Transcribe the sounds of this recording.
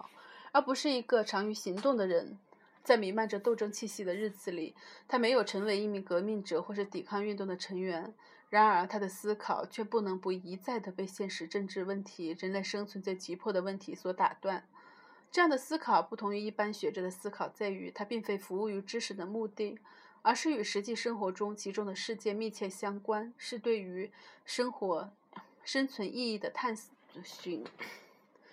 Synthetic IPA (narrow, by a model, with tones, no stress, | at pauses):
ə˞˧˥pu˧˥ʂɻ̩˥˩i˧˥ɡə˧ʈ͡ʂʰɑ˧˥ŋy˧˥ɕi˧˥ŋt̪ʊ˥˩ŋd̪ə˩ɻə˧˥n | t͡sa˥˩ɪmi˧˥nma˥˩nʈ͡ʂə˧t̪o˥˩ʊʈ͡ʂɤ˥ŋt͡ɕʰi˥˧ɕi˥˩d̪ə˩ɻɻ̩˥˩t͡sɹ̩˨˩li˨˩t̪ʰa˥me˧˥ɪjo˨˩ʊʈ͡ʂʰɤ˧˥ŋwe˧˥ɪi˥˩mi˧˥ŋkɤ˧˥mi˥˩ŋʈ͡ʂɤ˨˩xwɔ˥˧ʂɻ̩˥˩t̪i˨˩kʰɑ˥˧ŋy˥˧nt̪ʊ˥˩ŋd̪ə˩ʈ͡ʂʰɤ˧˥ŋɥɛ˧˥n | ɻa˧˥nə˞˧˥t̪ʰa˥d̪ə˨sɹ̩˥kʰɑ˨˩ʊt͡ɕʰɥɛ˥˧pu˥˩nɤ˧˥ŋpu˧˥i˧˥t͡sa˥˩ɪd̪ə˩pe˥˧ɪɕjɛ˥˩nʂɻ̩˧˥ʈ͡ʂɤ˥˧ŋʈ͡ʂɻ̩˥˧wə˥˩nt̪ʰi˧˥ɻə˧˥nle˥˩ɪʂɤ˥ŋt͡sʰwə˧˥nt͡sa˥˩ɪt͡ɕi˧˥pʰwɔ˥˩d̪ə˩wə˥˩nt̪ʰi˧˥swɔ˧˥t̪a̰˨˩t̪wa˥˩n | ʈ͡ʂɤ˥˧jɑ˥˩ŋd̪ə˩sɹ̩˥kʰɑ˨˩ʊpu˥˩t̪ʰʊ˧˥ŋy˧i˥˩pa˥nɕɥɛ˧˥ʈ͡ʂɤ˧˥d̪ə˧sɹ̩˥kʰɑ˨˩ʊt͡sa˥˩ɪy̰˧˥t̪ʰa˥pi˥˩ŋfe˥ɪfu˧˥u˥˩y˧˥ʈ͡ʂɻ̩˥ʂɻ̩˧˩d̪ə˦mu˥˧t̪i˥˩ | ə˞˧˥ʂɻ̩˥˩y˨˩ʂɻ̩˧˥t͡ɕi˥˩ʂɤ˥ŋxwɔ˧˥ʈ͡ʂʊ˥ŋt͡ɕʰi˧˥ʈ͡ʂʊ˥ŋd̪ə˨ʂɻ̩˥˧t͡ɕjɛ˥˧mi˥˧t͡ɕʰjɛ˥˩ɕjɑ˥ŋkwa˥nʂɻ̩˥˧t̪we˥˩ɪy˧˥ʂə˥ŋxwɔ˧˥ | ʂə˥nt͡sʰwə˧˥nʔi˥˧i˥˩d̪ə˩t̪ʰa˥˩nɕy˧˥n